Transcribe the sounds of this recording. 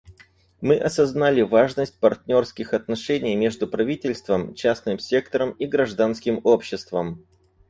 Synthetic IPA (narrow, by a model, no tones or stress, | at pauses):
mɨʔɐsɐznalʲɪvaʐnəsʲtʲpɐrtʲnʲo̞rskʲɪxɐt̪nɐʂɛnʲɪjmʲe̞ʐd̪ʊpɾɐvʲitʲɪlʲst̪vəmt͡ɕasnɨmsʲe̞kt̪əɾəmiɡɾɐʐd̪anskʲɪmo̞pɕːɪst̪vəm